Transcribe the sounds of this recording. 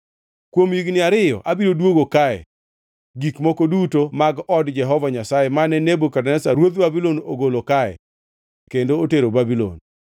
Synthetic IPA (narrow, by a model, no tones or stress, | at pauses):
kwomjiɡnɪaɾɪjɔ̰ʔabiɾodwoɡokaɛ̰ | ɡikmokodutomaɡɔdd͡ʒɛɦɔvaɲasajemanɛnebokadanɛsaɾwod̪babilonoɡolokaɛ̰ | kendooteɾobabilo̰n